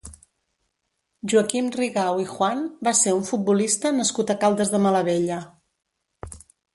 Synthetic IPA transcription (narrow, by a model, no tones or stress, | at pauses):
ʒuəkimriɣawixwanbaseuɱfut̪̚bulist̪ənəskut̪əkalˠd̪əzðəmələβeʎə